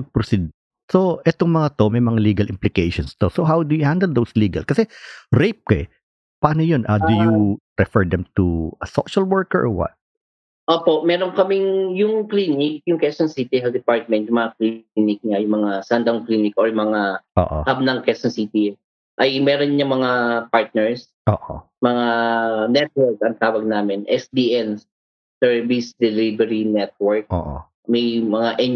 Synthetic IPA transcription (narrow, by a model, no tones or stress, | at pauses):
ɐɡ̚pɾosid̪ | soʔɛt̪oŋmɐŋat̪o̞mɐjmɐŋaliːɡɐlʔɪmplɪkejʃonst̪o̞soɦawd̪ʊjʊhãnd̪ɛld̪owsliːɡɐ̰lkɐsɛɾejp̚kɐɛ | paːnojonʔad̪uju | ɾɛfɛɹd̪ɛmt̪uɐso̰ʃɐlwɔɹkɛɹʔwɐ̰t̪̚ | ʔoːpoʔmɛːɾoŋkɐmɪŋjʊŋklinɪk̚jʊŋkɛsonsit̪ɪɦɛld̪ɪpaɹt̪̚mɛnt̪̚jʊŋmɐŋaklinɪk̚ɲɐjʊŋmɐŋasand̪ɐŋkliːnɪkʔoɹjʊmɐŋao̰ːʔo̰hab̚nɐŋkɛsɐnsiːt̪i | ʔɐjmɛːɾonɲɐŋmɐŋapaɹt̪̚nɛɹs | ʔoːʔo̰ | mɐŋanɛt̪̚wɛɹkɐŋt̪aːwɐɡ̚naːmɪnʔɛsd̪iːʔɛnː | ɛɹvisd̪ɛlibɛɾinɛt̪̚wɛɹk̚o̰ːʔo̰ | mɛjmɐŋaʔɛn